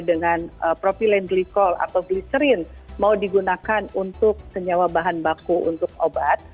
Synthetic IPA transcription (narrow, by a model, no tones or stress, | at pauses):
dəŋanəpɾopilɛnɡlikɔla̰t̪awɡlisəɾɪnmaudiɡunakanunt̪ʊk̚səɲawabaɦanbakuṵnt̪ʊk̚obat̪̚